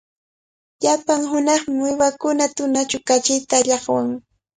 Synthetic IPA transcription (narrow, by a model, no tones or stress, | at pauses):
ʎapaŋɦʊnɑχmɪmwɪwakʊnat̪ʊnat͡ʃʊkat͡ʃɪjt̪aːʎɑχwaŋ